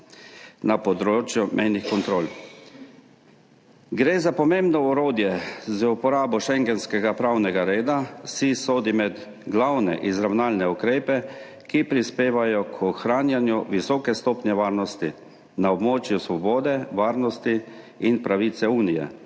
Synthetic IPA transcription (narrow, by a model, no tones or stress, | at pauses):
napɔd̪ɾot͡ʃjumʔɛjnixkɔnt̪ɾoːl | ɡɾeːzapɔmẽmbnɔuɾoːd̪jɛzəupɔɾaːbɔʃɛŋɡɛnskɛɡapɾawnɛɡaɾeːd̪asisoːd̪imɛd̪ | ɡlawnɛ̰ʔizɾawnaːlnɛukɾeːpɛ | kipɾispeːʋajɔkʰɔxɾaːnjanjuʋisɔːkɛst̪oːpnjɛʋaːɾnɔst̪i | naɔbmoːt͡ʃjusʋɔboːd̪ɛʋaːɾnɔst̪i | inpɾaʋiːt̪sɛuːnijɛ̰